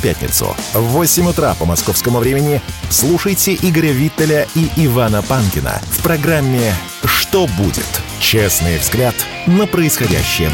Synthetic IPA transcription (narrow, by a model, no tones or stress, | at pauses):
pʲætʲnʲɪ̰t̪sʊ̰vosʲɪmʲʊt̪ɾapəmɐsko̞fskəmʊvɾʲemʲɪnʲɪslˠuʂəjtʲɪʔiɡəɾʲəvʲit̪ːəlʲəiʔɪvanəpankʲɪnə̰fpɾɐɡɾamʲːɪ | ʂt̪obṵdʲɪ̰t̪ | t͡ɕesnɨjvzɡlʲat̪ | nəpɾəɪsxɐdʲæ̰ɕːɪjə̰